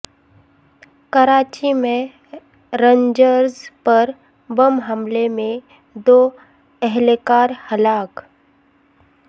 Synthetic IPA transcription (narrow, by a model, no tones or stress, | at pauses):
kəɾaːt͡ʃimẽ | ɾəɲd͡ʒəɾzpɐɾ | bəmɦəmlemẽ | d̪oː | ɛɦlekaːɾhɐlaːk